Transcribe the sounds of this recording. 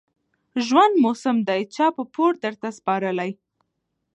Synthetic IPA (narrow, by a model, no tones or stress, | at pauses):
ʒwand̪mosəmd̪ajt͡ʃɑpəpoɾd̪əɾt̪aspɑɾəlaj